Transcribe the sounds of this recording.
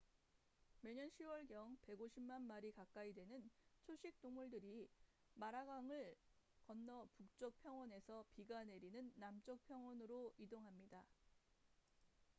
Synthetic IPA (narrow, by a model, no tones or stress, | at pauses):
me̞ɲʌnɕʰiwʌɭɡjʌŋpe̞ɡoɕʰimmanmaɾikak͈aidwe̞nɯnt͡ɕʰoɕʰik̚t͈oŋmuɭdɯɾi | maɾaɡaŋɯɭ | kʌnːʌpuk̚t͡ɕ͈ʌk̚pʰjʌŋwʌne̞sʰʌpiɡane̞ɾinɯnːamt͡ɕ͈ʌk̚pʰjʌŋwʌnɯɾoidoŋɦamɲida